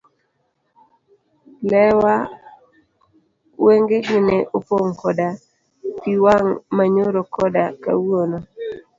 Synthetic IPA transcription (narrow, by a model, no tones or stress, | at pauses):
lɛwa | weŋɡeɡɪneʔopoŋkɔda | piwaŋmaɲoɾokɔdaka̰wono